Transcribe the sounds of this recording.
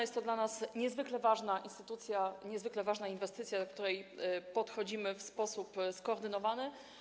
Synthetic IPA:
jɛst̪ːɔd̪lanasɲɛzvɘklɛvaʐnaʔinst̪ɘt̪ut̪sʲjaɲɛzvɘklɛvaʐnainvɛst̪ɘt̪sʲjad̪ɔk̚t̪uɾɛjpɔt̪xɔd͡ʑimɘfspɔsupskɔːɾd̪ɘnɔvanɘ

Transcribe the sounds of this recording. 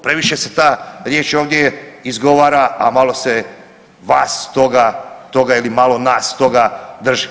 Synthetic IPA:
pɾe̞ʋiʃe̞set̪aːɾje̞ːt͡ʃoːʋd̪je̞izɡo̞ʋaːɾaamalˠo̞se̞ | ʋaːst̪o̞ɡat̪o̞ɡailimalo̞naːst̪o̞ɡad̪r̩ʒi

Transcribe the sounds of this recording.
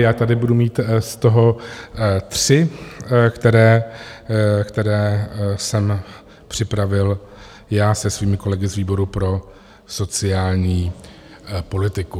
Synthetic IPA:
jaːt̪adɪbudumiːt̪st̪o̞ɦo̞ | t̪r̝̥ɪ | kt̪ɛɾɛː | kt̪ɛɾɛːsɛm | pr̝̥ɪpɾavɪl | jaːsɛsviːmɪko̞lɛɡɪzviːbo̞ɾupɾo̞ | so̞t͡sɪjaːlɲiː | po̞lɪt̪ɪku

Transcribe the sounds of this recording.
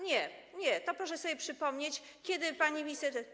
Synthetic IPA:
ɲɛɲɛt̪ɔpɾɔʂɛsɔbʲjɛpʂɘpɔmɲet͡ɕ | kʲɛd̪ɘpaɲimʲist̪ɛɾ

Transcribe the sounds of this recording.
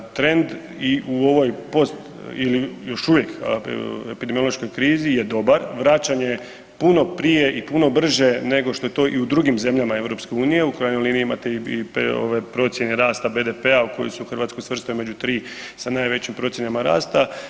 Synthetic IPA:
t̪ɾe̞nd̪ | iʔuoʋo̞jpo̞st̪ | ilijo̞ʃuʋje̞k | epid̪emio̞lˠo̞ʃko̞jkɾiːzije̞d̪o̞baɾʋɾat͡ɕaɲe̞ | puno̞pɾije̞ʔipuno̞br̩ʒe̞ne̞ɡo̞ʃt̪o̞je̞t̪o̞ːʔiud̪ɾuɡimze̞mʎamae̞ʋɾo̞pske̞uːnije̞ukɾajnojliːniimat̪eiipo̰ʋepɾo̞t̪sje̞neɾaːst̪abe̞d̪epe̞auko̞jisuxrʋat̪skojsʋr̩st̪ome̞d͡ʑut̪ɾiː | sanaːjʋe̞t͡ɕimpɾo̞t̪sjenamaɾa̰ːst̪a

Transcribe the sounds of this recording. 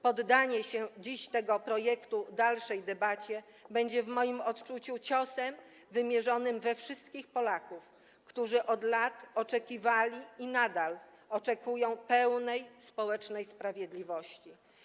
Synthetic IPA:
pɔd̪ːaɲɛɕɛd͡ʑiɕt̪ɛɡɔpɾɔjɛkt̪ud̪alʂɛjd̪ɛbat͡ɕɛ | bɛɲd͡ʑɛvmɔjimɔt̪t͡ʂut͡ɕut͡ɕɔsɛm | vɘmʲjɛʐɔnɘmvɛfʂɘst̪kʲixpɔlakuf | kt̪uʐɘʔɔd̪lat̪ɔt͡ʂɛkʲivalʲiinad̪al | ɔt͡ʂɛkujɔ̃w̃pɛwnɛjspɔwɛt͡ʂnɛjspɾavʲjɛd̪lʲivɔɕt͡ɕi

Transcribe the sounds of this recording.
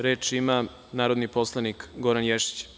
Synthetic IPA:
ɾeːt͡ʃima | naːɾo̞d̪nipo̞slˠanikɡoɾanjeʃi̥t͡ɕ

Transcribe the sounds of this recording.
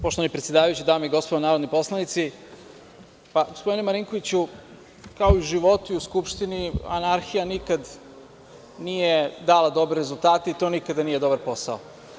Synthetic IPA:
poʃt̪oanipɾet̪sʲjedaːʋajut͡ɕid̪aːmoiɡo̞spoonaːɾo̞d̪nipo̞slˠanit̪si | paɡospo̞d̪inemaɾiŋko̞ʋit͡ɕu | kaoiuʒiʋo̞t̪uiuskupʃt̪inia̰naɾxijanikad̪ | nije̞d̪aːlˠad̪o̞bɾeɾezulˠt̪aːt̪eit̪o̞nikad̪anije̞d̪o̞baɾpo̞sao

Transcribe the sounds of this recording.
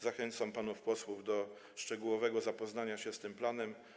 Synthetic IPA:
zaxɛnt̪sampanufpɔswuvd̪ɔ | ʂt͡ʂɛɡuwɔvɛɡɔzapɔznaɲaɕɛst̪ɘmplanɛm

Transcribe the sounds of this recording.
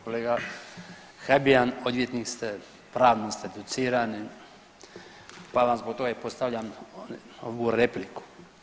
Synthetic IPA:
koleːɡa | xabiano̞d̪ʋjet̪niːkst̪e | pɾaːʋnost̪ed̪ut̪siːɾani | palamzbok̚t̪o̞ɡaipost̪aʋʎam | o̰ʋuɾepliku̥

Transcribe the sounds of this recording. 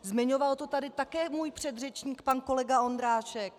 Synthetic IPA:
zmɪɲovalt̪o̞t̪adɪt̪akɛːmuːjpr̝̥ɛd̪rɛt͡ʃɲiːkpanko̞lɛɡao̞nd̪ɾaːʃɛk

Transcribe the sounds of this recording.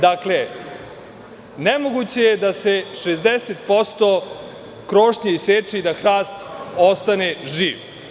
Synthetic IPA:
d̪akle | nemoɡut͡ɕe̞jed̪ase̞ʂezd̪eset̪po̞st̪o | kɾoːʂɲeiseːt͡ʂiid̪axɾaːst̪ost̪ane̞ʒiːʋ

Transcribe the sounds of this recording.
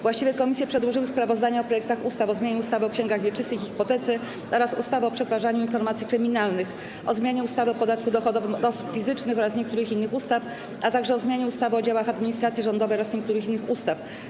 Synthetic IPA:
vwaɕt͡ɕivʲjɛkɔmʲisʲjɛpʂɛd̪wɔʐɘwɘspɾavɔzd̪aɲɛɔpɾɔjɛk̚t̪axust̪afɔzmʲaɲɛust̪avɘɔkɕɛŋɡaɣvʲjɛt͡ʂɘst̪ɘjxxipɔt̪ɛt̪sɘ | ʔɔɾasust̪avɘɔpʂɛt̪faʐaɲuinfɔɾmat̪sʲikɾɘmʲinalnɘx | ʔɔzmʲjaɲɛust̪avɘɔpɔd̪at̪kud̪ɔxɔd̪ɔvɘmd̪ɔɔsu̥pfʲizɘt͡ʂnɘxɔɾasɲɛk̚t̪uɾɘxinːɘxust̪af | at̪aɡʐɛɔzmʲjaɲɛust̪avɘɔd͡ʑawaxad̪mʲiɲist̪ɾat̪sʲjiʐɔnd̪ɔvɛjɔɾasɲɛk̚t̪uɾɘxinːɘxust̪af

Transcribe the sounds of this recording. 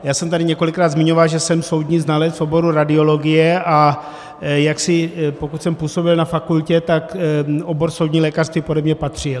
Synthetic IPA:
jaːsɛmt̪adɪɲɛko̞lɪkɾaːd̪zmɪɲo̞valʒɛsɛmso̞wd̪ɲiːznalɛt͡sfobo̞ɾuɾadɪo̞lo̞ɡɪjɛʔa | jaksɪpo̞kut̪sɛmpuːso̞bɪlnafakulcɛt̪akʔobo̞ɾso̞wdɲiːlɛːkar̥st̪viːpodɛbɲɛpat̪r̝̥ɪl

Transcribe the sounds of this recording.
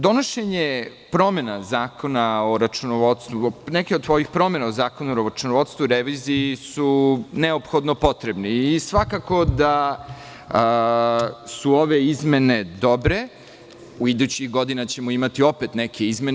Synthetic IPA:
d̪o̞noʃeɲe | pɾo̞me̞nazaːko̞nao̞ɾat͡ʃunoʋodt̪st̪vunekeod̪̚t̪ʋojixpɾo̞me̞naozaːko̞nuɾoat͡ʃunoʋo̞t̪st̪vuɾeʋiziːsuneopxo̞d̪nopo̞t̪ɾebniːsʋakako̞d̪a | suoʋe̞izme̞ne̞d̪o̞bɾe̞ | uid̪ut͡ɕiɣɡo̞d̪inat͡ɕe̞moimat̪io̞pe̞t̪nekʰe̞izme

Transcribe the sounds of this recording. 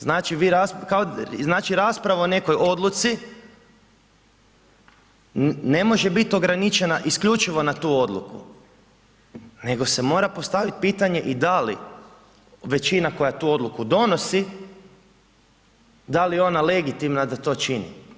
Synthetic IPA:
znaːt͡ʃiʋiɾaskaoznaːt͡ʃiɾaːspɾaʋaone̞ko̞jʔo̞d̪lˠut̪si | ne̞mo̞ʒebit̪o̞ɡɾanit͡ʃe̞naʔiskʎut͡ʃiʋo̞nat̪uːo̞d̪lˠṵkṵ | ne̞ɡo̞se̞mo̞ːɾapo̞st̪aʋit̪̚piːt̪aɲe̞ʔid̪alḭ | ʋe̞t͡ʃinako̞jat̪uːo̞d̪lukud̪o̞nosi | d̪alio̞nale̞ɡit̪imnad̪at̪o̞ːt͡ʃinḭ

